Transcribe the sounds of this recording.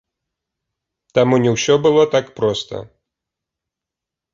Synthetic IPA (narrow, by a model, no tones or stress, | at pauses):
t̪amunʲɛwsʲɔbɨlˠɔt̪akpɾɔst̪ɐ̰